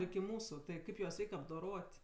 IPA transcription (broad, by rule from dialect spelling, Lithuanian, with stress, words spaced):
ɪkʲɪ ˈmuːsʊ tɐɪ ˈkɐɪp juɔs ˈrʲɛɪkʲ ɐbdoːˈroːtʲ